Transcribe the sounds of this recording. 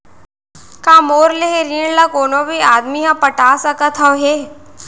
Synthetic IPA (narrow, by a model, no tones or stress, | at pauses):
kamoːɾleɦeɾiːɳlakoːñobʱiːad̪miɦə̃pəʈasɐkət̪ʰəwɦe